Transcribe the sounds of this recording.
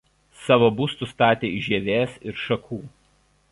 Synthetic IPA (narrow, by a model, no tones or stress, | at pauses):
sɑːʋoːbʊst̪ʊst̪ɑːt̪ʲeːɪʒʲeːʋʲeːsɪɾʃɐkʰuː